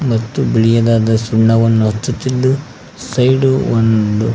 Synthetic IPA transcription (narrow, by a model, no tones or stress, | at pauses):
mɐt̪ːubiɭijɐd̪aːd̪ɐsuɳɳɐʋɐnːuɦɐt͡ʃːut̪ːid̪ːu | sɐjɖuond̪u